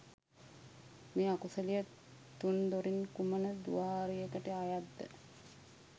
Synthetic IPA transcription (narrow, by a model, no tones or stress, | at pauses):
meːakusəlijə | t̪und̪oɾinkumənəd̪ṵaːɾiekəʈəajad̪ːə̰